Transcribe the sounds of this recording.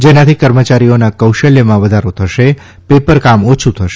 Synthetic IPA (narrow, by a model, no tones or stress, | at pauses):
d͡ʒenat̪ʰikəɾmət͡ʃaɾijonakəwʃəljəmãʋəd̪ʱaɾot̪ʰəʃe | pepəɾkamot͡ʃʰut̪ʰəʃe